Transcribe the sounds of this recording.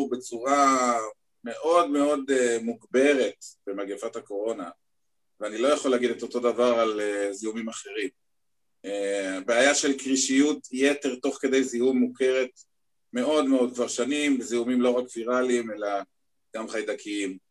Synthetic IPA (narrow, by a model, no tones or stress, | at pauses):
be̞t͡suʁa | me̞ʔo̞dme̞o̞demuɡbe̞ʁe̞tb̥emaɡefathako̞ʁo̞na | veanilo̞jaχoleaɡid̪eto̞to̞davaʁalezihumimaχe̞ʁim | ebeajaʃelkʁiʃijutjete̞ʁto̞χke̞de̞jzihumːuke̞ʁe̞t | me̞o̞dmeo̞d̪̚kvaʁʃanimbezihumimlo̞ʁakviʁalime̞la | ɡ̥amχajd̪akʰiim